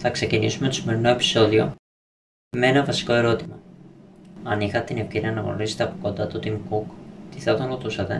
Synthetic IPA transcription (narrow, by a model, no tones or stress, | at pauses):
θɐkse̞cinisume̞t̪o̞sime̞ɾino̞e̞pi̥so̞ðio̞̰ | meenɐvɐsi̥ko̞e̞ɾo̞t̪imɐ | ɐnixɐt̪et̪inefceniɐnɐɣno̞̰ɾiset̪eɐpoko̞nd̪ɐt̪ot̪iŋkukt̪iθet̪onot̪usɐt̪e̞̰